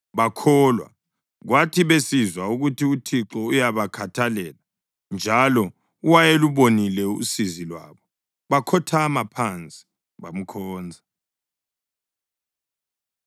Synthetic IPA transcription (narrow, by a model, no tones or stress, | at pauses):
βakʰɔːlwa̰ | ɣwatʰiβesizwauɣutʰiutʰiǁɔujaβakʰatʰalɛːla | nd͡ʒʱalɔ | uwajeluβonilɛṵsizilwa̰ːβɔ | βakʰɔtʰamapʰant͡sʼi̥ | βam̩kʰɔːnd͡zʱa